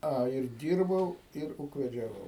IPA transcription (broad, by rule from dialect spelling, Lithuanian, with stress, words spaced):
ˈɐ ɪr ˈdʲiːrbɐʊ ɪr uːkʋʲɛd͡ʒʲɛˈʋɐʊ